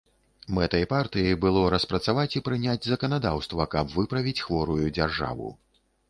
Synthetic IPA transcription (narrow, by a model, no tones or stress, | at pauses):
mɛt̪ɐjpart̪ɨjɐbɨlˠɔɾɐspɾɐt̪savat͡sʲipɾɨnʲad͡zʲzɐkɐnad̪awst̪vɐkɐbvɨpɾɐvʲit͡sʲxvɔɾujud͡zʲarʐa̰vṵ